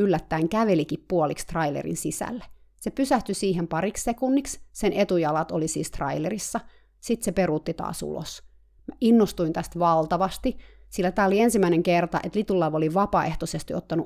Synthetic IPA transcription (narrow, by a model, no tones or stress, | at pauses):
ylːæt̪ːæiŋkæʋelikippuolikst̪rɑilḛrḭnsisæ̰lːesepysæht̪ysiːɦempɑɾikssekunːikssenet̪ujɑlɑt̪olisḭːst̪rɑ̰ilerisːɑ | sit̪seperut̪ːit̪ɑ̰ːsṵlo̰s | mæʔinːost̪uint̪æst̪ʋɑlt̪ɑʋɑst̪isilːæt̪æːoliensimːæineŋkert̪ɑ̰ʔet̪lit̪ulːɑʋoliʋɑpɑḛht̪osest̪iot̪ːɑnu